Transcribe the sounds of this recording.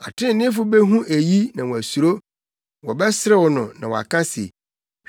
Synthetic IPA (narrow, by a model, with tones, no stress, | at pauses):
a̰˨tʰɪ̃˦˨nɪ̃˦fʊ˦be˦ɦũ˦ʔæ˨ji˦nã˨wɔ̃˨æ˨su˨ɾo˦ | wɔ˨bɛ˦sɪ˦ɾɛ˦wɔ˨nʊ̃˨nã˨wɔ̰˨a̰˨kʰã˦sḛ˨